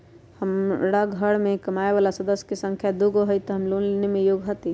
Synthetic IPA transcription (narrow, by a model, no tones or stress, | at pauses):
həmɽaɡʱəɽmẽkɐmaːeʋaːlasəd̪əsjkesə̃ŋkʰjad̪uɡoɦəjt̪ɔɦəmlonnemẽjoːɡɦət̪i